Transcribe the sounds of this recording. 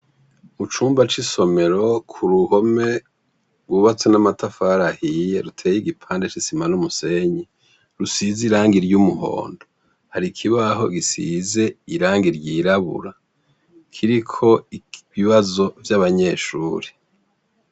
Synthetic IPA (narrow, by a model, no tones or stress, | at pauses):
mut͡ʃuːmbat͡ʃiso̞me̞ɾo̞kʰuɾuho̞me̞ | ɡwuβat͡swenamatʰafaɾahije̞ɾutʰe̞ːjiɡipʰaːndet͡ʃisimanumuse̞ɲe | ɾusiziɾaːŋɡiɾjumuɦo̰ːndo̥ | haɾikʰiβaɦo̞̰ɡisize̞iɾaːŋɡiɾɟiːɾaβṵɾa | kʰiɾikʰo̞iβiβazo̞vjaβaɲe̞ːʃuːɾe̥